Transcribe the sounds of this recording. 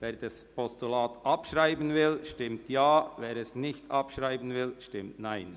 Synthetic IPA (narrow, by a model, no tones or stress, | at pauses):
veːɾd̥ɑspʰɔstulaːtʔɑpʃʁaɪbənvɪlʃtɪmtjaːveːɾɛsnɪçtʰʔɑpʃʁaɪbən̩vɪlʃtɪmtnaɪn